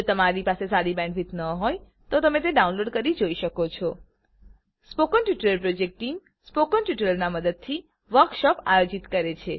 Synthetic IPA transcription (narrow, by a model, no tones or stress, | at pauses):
ot̪əmaɾipasesaɽibɛ̃ɳɖʋit̪nəɦoj | t̪ot̪əmet̪̬eɖaunloɖkəɾid͡ʒoiʃəkot͡ʃʰɔ | spokənʈjuʈəɾəlpɾod͡ʒek̚ʈʈim | spokənʈjuʈəɾəɾnaməd̪əd̪̚t̪ʰi | ʋəɾkʃɔpa̰jod͡ʒit̪kəɾet͡ʃʰe